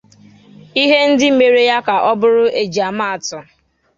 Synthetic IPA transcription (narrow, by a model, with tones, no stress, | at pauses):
i˦ɦe˦n̩˦dɪ˦m̩˨me˨ɾe˦ja˦ka˨ʔɔ˦bʊ˦ɾʊ˦ʔe˨d͡ʒa˨ma˦a˨tɔ˨